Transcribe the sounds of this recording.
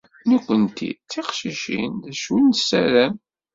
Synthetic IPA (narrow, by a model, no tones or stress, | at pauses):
nukʷːənt̪ʰḭt͡sːiqʃiʃḭnðæʃwəlnsːæɾæm